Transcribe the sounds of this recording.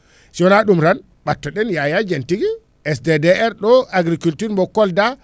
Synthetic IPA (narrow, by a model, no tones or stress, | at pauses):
siɔnaɗumɾan | ɓatːɔɗɛnjajad͡ʒantiɡi | ɛsdedeɛɾɗɔaɡɾikultuɾmbɔkːɔlda